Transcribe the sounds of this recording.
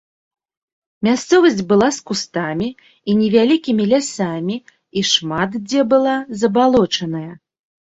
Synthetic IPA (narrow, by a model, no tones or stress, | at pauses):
mʲast̪sɔvɐsʲt͡sʲbɨlˠaskust̪amʲi | inʲɛvʲalʲikʲimʲilʲasamʲi | iʂmat̪d͡zʲɛbɨlˠazɐbalˠɔt͡ʂɐnɐjɐ